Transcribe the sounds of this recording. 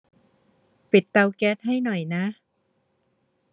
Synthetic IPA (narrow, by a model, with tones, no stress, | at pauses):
pi˨˩t̪t̪a˧wkɛː˦˥t̪̚ɦa˥˩jnɔ˨˩jna˦˥